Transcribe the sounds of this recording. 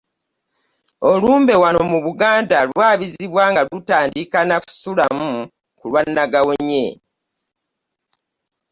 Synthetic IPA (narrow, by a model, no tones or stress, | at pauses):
o̞luːmbe̞wanomuβuɡaːndalwaːβiziβwaːŋɡalutaːndikanaku̥sulamu | kulwanːaɡaweɲe